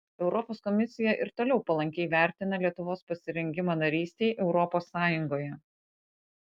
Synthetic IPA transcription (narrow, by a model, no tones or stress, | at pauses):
ɛʊɾɔpoːskɔmʲɪsʲɪjɛʔɪɾt̪oːlʲɛʊpɐlˠɐŋʲkʲɛɪʋʲæˑɾʲt̪ʲɪnɐlʲiɛt̪ʊʋoːspɐsʲɪɾʲɛŋʲɡʲɪmɑnɐɾʲiːsʲt̪ʲɛɪʔɛʊɾɔpoːsːɑːjʊŋɡoːjɛ